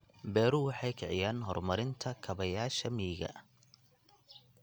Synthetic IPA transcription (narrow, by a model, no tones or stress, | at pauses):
bɛːɾuwɑħɑjkʰɪʕɪjaːnɦɔrmɐɾɪnt̪ʰɐkʰɐβɐjaːʃɐmiːɣɐ̰